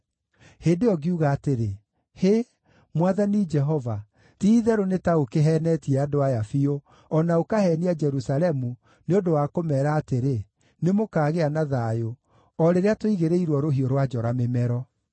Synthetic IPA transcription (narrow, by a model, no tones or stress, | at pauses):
hedeɔɡiuɣaːteɾe | he | mwaðanid͡ʒɛɦɔva | tiːðɛɾonetaokeɦɛnɛtiɛadoajafio | ɔnaokahɛniad͡ʒɛɾusalɛmu | neondowakomɛːɾaːteɾe | nemokaːɣeanaðaːjo | ɔɾeɾeatoiɣeɾeiɾwɔɾoɦioɾwad͡ʒɔɾamemɛɾɔ